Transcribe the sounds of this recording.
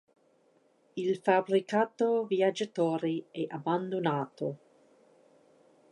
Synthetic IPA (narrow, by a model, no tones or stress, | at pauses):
ilfabɾikaːt̪oviad͡ʒat̪ɔːɾiɛʔaband̪onaːt̪o